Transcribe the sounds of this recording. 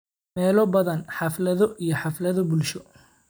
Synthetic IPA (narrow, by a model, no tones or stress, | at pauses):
mɛːlɔbɐðɐnħɑflɐðɔʔijɞħɑflɐðɔbʊlʃɔ